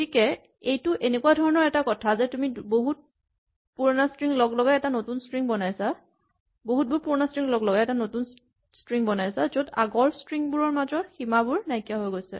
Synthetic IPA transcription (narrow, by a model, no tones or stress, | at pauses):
tikɛ | ejtʊʔenekuadʱɔɹɔnɔɹɛtakɔtʰazɛtumiboɦut̚ | puɹnastɹiŋlɔɡlɔɡaɛtanotunstɹiŋbɔnajsa | boɦut̚bʱuɹpuɹnastɹiŋlɔɡlɔɡaɛtanotun | stɹiŋbɔnajsazoda̰ɡɔɹstɹiŋbuɹɔɹmazɔximabʊɹnajkijaɦojɡojsɛ̰